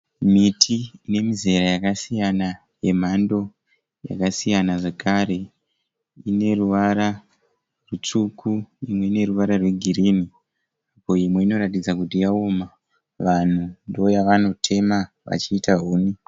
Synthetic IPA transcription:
mitʰiːne̞mize̞ɾajakasijana | je̞m̤ando̞ | ja̰kasijanaʐekaɾe̞ | ine̞ruʋaɾa | rut͡ʂukʰuimwe̞ine̞ruʋaɾarwe̞ɡʱirini | apo̞imwe̞ino̞ɾatid͡zakutijaoma | ʋan̤undojaʋanotʰe̞ma | ʋa̰t͡ʃiːtaɦuːni

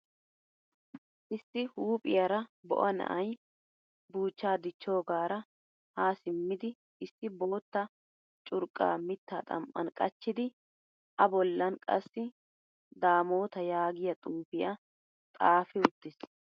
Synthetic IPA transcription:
ʔɪsːɪhuːpʼɪjɐɾɐbɔ̰ʔɐnɐ̰ʔɐj | buːt͡ʃːaːd̪ɪt͡ʃːo̞ːɡaːɾɐ | haːsɪmːɪd̪ɪ | ʔɪsːɪbo̞ːt̪ːɐ | t͡ʃʼʊɾkʼːa̰ːmɪt̪ːa̰ːt̪ʼɐ̰mʔɐ̰nkʼɐt͡ʃːɪd̪ɪ | ʔɐbɔlːɐnkʼɐ̰sːɪ | d̪aːmo̞ːt̪ɐjaːɡɪjɐt̪ʼuːfɪjɐ | t̪ʼaːfɪʊt̪ːɪs

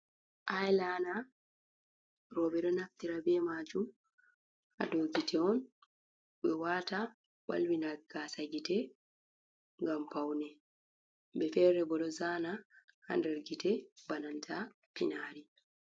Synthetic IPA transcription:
ʔajlana | ɾɔbɛɗɔnaft̪iɾabɛmaːd͡ʒum | a̰dɔɡitʰɛɔn | bɛwaːta | wa̰lwinaɡ̥aːsaɡitɛ | ŋɡampawnɛ | bɛfɛːɾɛbɔɗɔzanaha̰ndɛɾɡitɛbanantʰa | pḭnaːɾi

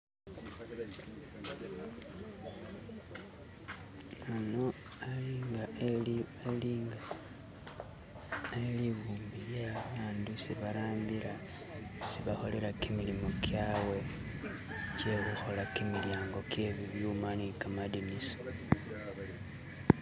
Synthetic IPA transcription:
ano̞ | aliŋɡa | eliːŋɡa | eliβuːmbiljaβaːndusiβaɾaːmbiɾa | siβaxo̞leɾakimilimokʰjaːwe̞ | ceːluxo̞lakimiljaːŋɡo̞kje̞ːβiβjuːmanikamadiniso̥

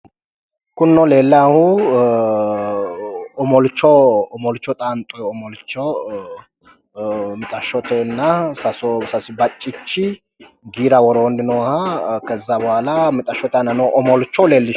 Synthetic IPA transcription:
kʊnːɔle̞ːlːahʊ | ɔmɔlt͡ʃːɔɔmɔlt͡ʃːɔt̪ʼaːnt̪ʼɔjɔmɔlt͡ʃːɔ | mɪt̪ʼɐʃːɔt̪ɛnːɐsɐsɔsɐsɪbɐt͡ʃʼːɪt͡ʃːɪ | ɡiːɾɐwɔɾond̪ɪnɔwhɐkɛzːɐbɔwaːlɐmɪt̪ʼɐʃːɔt̪ɛnːɐnɔʔɔmɔlt͡ʃːɔleːlːɪ

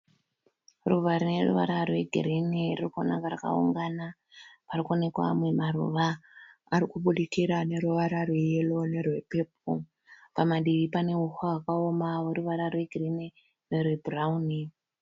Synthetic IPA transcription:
ruʋaɾine̞rṵʋaɾarwe̞ɡʱirinirirkonaŋkaraka̰ṵŋɡana | parikone̞kwa̰mwe̞marṵʋaː | ɾikuɓuɗikiɾane̞ɾuʋaɾarwejelo̞ne̞rwe̞pe̞ːp̚o | pamaɗiʋipane̞uhwawakaomaoruʋaɾarwe̞ɡʱirine | nerwebrauni

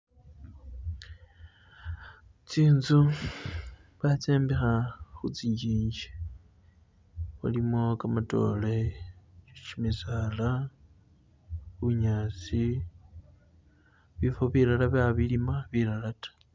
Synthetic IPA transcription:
t͡siːnzu | βat͡seːmbixaxut͡siɟiːɲɟe̥ | a̰limokamato̞̰let͡ʃiʃimizala | uuɲaːt͡si | βifoβilalaβaβilimaβilalatḁ

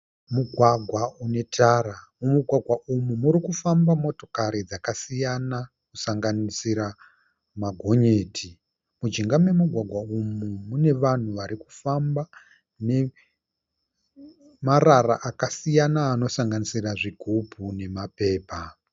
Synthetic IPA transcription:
muɡʱwaɡʱwaune̞tʰaɾamumuɡʱwaɡʱwaʔumumuɾikufambamo̞to̞̥kaɾid͡zakasijana | kusaŋɡanisiɾa | maɡʱo̞ɲe̞ːtʰi | mud͡ʒiŋɡamwe̞muɡʱwaɡʱwaumumune̞ʋan̤uʋaɾiku̥famba | ne̞ | marara̰ʔakasijanaːno̞saŋɡanisiraʐiɡʱubʱune̞mape̞ːpa

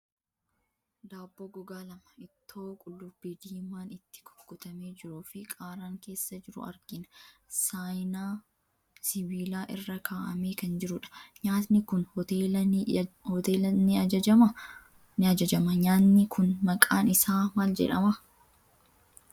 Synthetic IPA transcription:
d̪aːbːɔɡʊɡaːlɐmɐɪt̪ʰːo̞ːkʼʊlːʊbːɪd̪iːmaːnɪt̪ːɪ̥kɔ̥ɡːʊt̪ɐme̞ːd͡ʒɪɾuːfɪkʼaːɾaːŋke̞ːsːɐd͡ʒɪɾʊ̰ɐ̰ɾɡ̥ɪnɐ̥saːjnaː | sɪβiːlaːʔɪrːɐkʰaːʔɐ̰meːkɐnd͡ʒɪɾʊᶑɐ̥ɲaːt̪nɪkʊneː | hɔt̪eːlɐnːɪɐɐɐmɐ | nɪɐd͡ʒɐd͡ʒɐmɐɲaːnːɪkʰʊnmɐkʼaːnɪsaːmaːld͡ʒɛ̰ᶑɐ̰mɐ

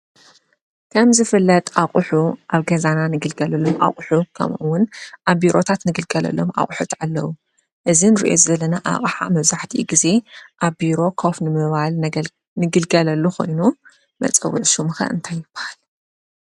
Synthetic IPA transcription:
kʰɐmzɨfɨlːɐt̪ʼʔaχʼħuʔaβɡɐzananɨɡɨlɡɐlɐlːomʔa̰χʼħukʰɐ̰mʔuwʊnʔaβbiɾʔo̞t̪ʰat̪nɨɡɨlɡɐlɐ̰lːo̞mʔa̰χʼħut̪ʰʕalːɐwu | ʔɨzinɨɾḭʔo̞̰zɐlɐnaʔa̰χʼħa̰mɐβzaħt̪ʰiʔɡize̞ʔaβbiɾo̞kʰofnɨmɨβal | nɨɡɨlɡɐlɐlːuxʰo̞̰jnu | mɐ̰t͡sʼɐ̰wːuʕʃumɨxɐ̰ʔɨ̰nt̪ʰajːɪb̥ːḁhal

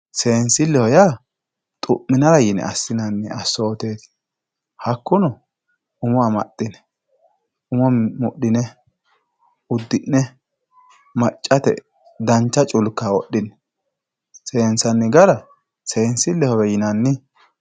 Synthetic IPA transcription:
se̞ːnsɪlːɛhɔjaː | t̪ʼʊʔːɪnɐɾɐjɪnɛ̰ɐ̰sːɪnɐnːɪɐsːoːt̪e̞ːt̪ɪ̥ | hɐkːʊnɔ | ʊmɔɐmɐ̰tʼːɪnɛ̥ | ʊmɔmʊɗɪnɛ | ʊd̪ːɪnːɛ | mɐt͡ʃʼːɐt̪ɛ̰ | d̪ɐnt͡ʃːɐt͡ʃʼʊlkːawɔɗːɪnɛ̥ | se̞ːnsɐnːɪɡɐɾɐ | se̞ːnsɪlːɛhɔjɛjɪnɐnːɪ

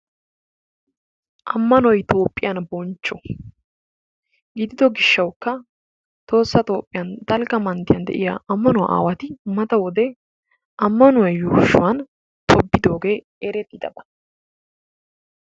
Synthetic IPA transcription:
ʔɐmːɐnɔjt̪ʰo̞ːpʼːɪjɐnbɔnt͡ʃːɔ | ɡɪd̪ɪd̪ɔɡɪʃːɐwkːɐ | t̪o̞ːsːɐt̪o̞ːpʼːɪjɐnd̪ɐlɡɐmɐnd̪ɪjɐnd̪ɛ̰ʔɪja̰ːʔɐmːɐnʊwa̰ʔa̰ːwɐt̪ɪmɐt̪ɐwɔd̪ɛ | ʔɐmːɐnʊwɔjjuːʃʊwɐn | t̪ʰɔbːɪd̪o̞ːɡe̞ː | ɛɾɛt̪ːɪd̪ɐ̰bɐ

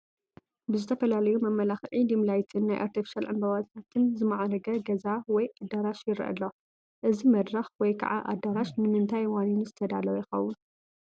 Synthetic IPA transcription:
bɨzɨt̪ʰɐfɐlalɐjumɐmːɐlaxʕid̪imlajt̪ʰɨnːajʔa̰ɾt̪ʰifi̥ʃalʕɨ̰mbɐβat̪ʰat̪ʰɨnzɨmaʕaɾɐɡɐɡɐzawɔjʔad̪ɐɾaʃjɪɾiʔɐ̰lːo | ʔɨzimɐd̪ɾɐxwɔjkʰɐ̰ʕa̰ʔa̰d̪ɐɾaʃnɨmɨnt̪ʰajwaninzɨt̪ʰɐd̪a̰lɐwjɪxɐwːun

